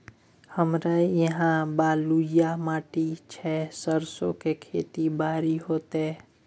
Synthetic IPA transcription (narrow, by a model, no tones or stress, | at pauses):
həmɾajəɦãbaːlujamaːʈit͡ʃʰɛsəɾsõ̰kekʰḛːt̪ibaːɾiɦoːt̪eɛ